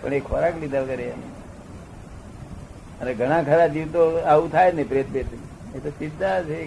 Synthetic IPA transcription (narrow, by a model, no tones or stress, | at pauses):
pə̰ɳ̃ekʰɔɾaklid̪ʱalkəɾeanḭ | əneɡʱəɽ̃ãkʰəɾad͡ʒiʋt̪oaʋũt̪ʰajd͡ʒnepɾeət̪bet̪i | et̪osid̪ʱːat͡ʃʰe